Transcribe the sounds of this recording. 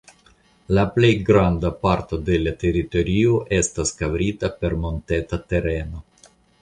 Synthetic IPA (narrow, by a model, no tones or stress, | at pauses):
laple̞jɡɾandapaɾto̞de̞late̞ɾito̞ɾioʔe̞staskavɾitape̞ɾmo̞nte̞tate̞ɾe̞no̞